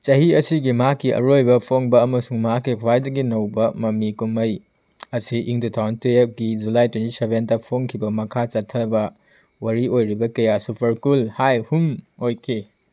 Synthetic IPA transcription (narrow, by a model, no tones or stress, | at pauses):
t͡ʃɐhiɐsiɡimɐɦakːiʔɐ̰ɾojbɐpʰoŋbɐɐmɐsuŋmɐɦakːikʰwajdɐɡinɐwbɐmɐmikumɐj | ɐsiʔiŋtutʰawnteeɡid͡ʒulajtwentisebentɐpʰoŋkʰibɐmɐkʰat͡ʃɐtʰːɐbɐ | wɐɾiojɾibɐkɐjasupʰɐɾkulhajhumojkʰi